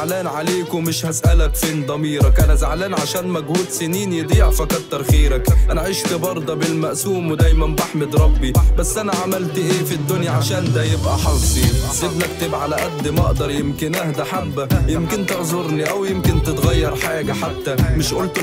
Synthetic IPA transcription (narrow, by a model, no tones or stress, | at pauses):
ʕlaːnʕaleːkʊmɪʃhasʔalakfiːnd̪ˤɑmiːɾakʔanazaʕlaːnʕaʃæːnmaɡhuːd̪sɪniːnjɨd̪ˤiːʕfakɑtˤt̪aɾˤxiːɾakʔanʕiːʃt̪ɪbɑɾˤd̪ˤɑbɪlmaʔsuːmwd̪aːjmanbaħmɪd̪ɾˤɑbːibasːʔanaʕamalt̪ʔeːfid̪ːʊnjaʕaʃæːnd̪ajɪbʔaħɑlsˤizɪd̪nak̚t̪ɪbʕalaʔad̪ːimɑ̰ʔd̪ɑɾˤjɪmkɪnʔahd̪aħabːajɪmkɪnt̪ɪʕzʊɾniʔawjɪmkɪnt̪ɪt̪ɣajːɑɾˤħaːɡaħat̪ːamɪʃʔʊlt̪